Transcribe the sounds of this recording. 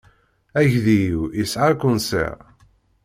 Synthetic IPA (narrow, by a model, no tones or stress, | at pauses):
æʝðijwisʕaɾkʷːʊnsḛʁ